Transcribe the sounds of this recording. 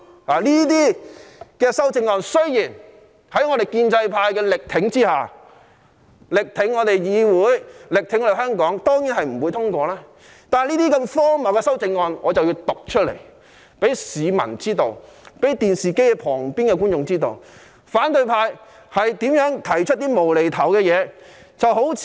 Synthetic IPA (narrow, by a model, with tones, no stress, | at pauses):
laː˨˩liː˥t̪̬iː˥kɛː˧sɐ˥wt͡sɪ˧ŋːɔː˧nsɵ˥ɥjiː˨˩n | hɐ˨˥jŋɔ˨˧ɾe˨jkiː˧nt͡sɐ˧jpʰaː˧jkɛː˧lɪ˨k̚t̪ʰɪ˨˥ŋt͡siː˥haː˨˩ | lɪ˨k̚t̪ʰɪ˨˥ŋːɔː˨˧t̪e˨jjiː˨˧wuː˨˥jlɪ˨k̚t̪ʰɪ˨˥ŋɔ˧e˨˩hœː˥ŋkɔː˨˥ŋt̪ɔː˥ŋjiː˨˥nɦɐ˨jm̩˨˩wu˨˧jt̪ʰʊ˥ŋkʷɔː˧laː˥ | t̪aː˨n˨liː˥t̪iː˥kɐ˧mfɔː˥mɐ˨˩wkɛː˧sɐ˥wt͡sɪ˧ŋːɔː˧nŋɔː˨˧t͡sɐ˨wji˧wt̪ʊ˨k̚t͡ʃʰɵ˥lḛ˨˩j | pe˨˥jsiː˨˧mɐ̰˨˩nt͡siː˥t̪o˨wpe˨˥jt̪iː˨nsiː˨ke˥jɛ˧pʰɔː˨˩ŋpiː˥nkɛː˧ku˥nt͡ʃʊ˨˧ŋt͡siː˥t̪o̰˨w | faː˨˥nt̪ɵ˧jpʰaː˧j | hɐ˨jt̪iː˨˥mjœː˨˥ŋt̪ʰɐ˨˩jt͡ʃʰɵ˥t̚t̪iː˥mo˨˩wle˨˩jt̪ʰɐ˨˩wkɛː˧jɛː˨˧ | t͡sɐ˨who˨˥wʰ